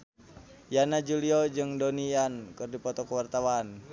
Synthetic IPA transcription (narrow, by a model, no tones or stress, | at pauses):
janad͡ʒuliɔd͡ʒɨŋdɔniankɨrdipɔt̪ɔkəwart̪awan